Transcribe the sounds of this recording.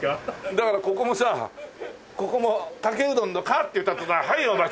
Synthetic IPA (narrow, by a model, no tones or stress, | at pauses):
d̪akaɾako̞ko̞mo̞sa | ko̞ko̞mot̪akeɯ̟d̪õnːokat̪ːeɯ̟t̪ːat̪ːosahaioma